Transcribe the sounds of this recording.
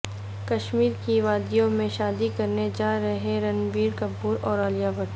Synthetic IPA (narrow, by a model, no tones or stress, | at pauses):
kɐʃmiːɾkiʋaːd̪ijõmẽʃaːd̪ikɐɾned͡ʒaːɾɐɦẽɾɐnbiːɾkɐbːuːɾɔːɾaːlijabəʈ